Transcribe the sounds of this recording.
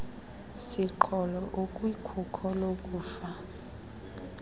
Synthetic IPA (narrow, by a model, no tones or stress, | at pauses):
siǃʰɔlɔʔokʼwikʰukʰɔlokʼuːfa